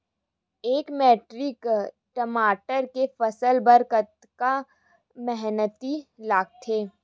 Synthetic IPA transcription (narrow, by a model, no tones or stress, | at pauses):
eːkmɛːʈɾɪk | ʈəmaːʈəɾkefɐsəlbəɾkət̪ | ka | mɛɦnət̪ilaːɡ̚t̪ʰeː